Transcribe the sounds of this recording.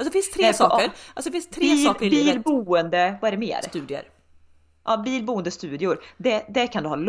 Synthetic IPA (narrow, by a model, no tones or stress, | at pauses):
lsɔd̪ɛfɪnstt̪ʰɾeːsɔːəɾalsɔd̪ɛfɪnst̪ʰːɾbːisɔːkəɾɪliːllbuənd̪əvaɛɖɛmḛːɾt̪ʉːd̪ɪə̰ɾ | ʔɑːbiːlbuːənd̪əst̪ʉːd̪ɪʊɾd̪ɛd̪ɛkʰand̪ɵhɑ̰ːl